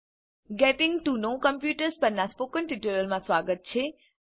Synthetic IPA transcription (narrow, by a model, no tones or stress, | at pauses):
ɡeʈɪŋɡʈunõkəmpjuːʈəɾspəɾnãspoːkənʈiʈiɾəlmãsʋaːɡət̪̚t͡ʃʰe